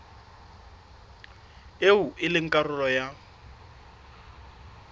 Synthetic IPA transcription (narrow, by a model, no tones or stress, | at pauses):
euʔɪlɪŋ̩kʼarʊlɔja